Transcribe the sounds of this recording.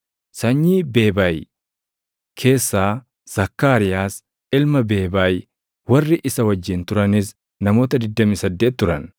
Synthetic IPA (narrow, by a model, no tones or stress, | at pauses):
sɐɲːiːbe̞ːbaːj | kʰe̞ːsːaː | z̥ɐkːaːɾɪjaːs | ɪlmɐbe̞ːbaːj | wɐrːɪʔɪsɐwɐd͡ʒːɪnt̪ʊɾɐnɪs | nɐmo̞ːt̪ɐd̪ɪd̪ːɐmisɐd̪ːe̞ːt̪̚ːʊɾɐ̰n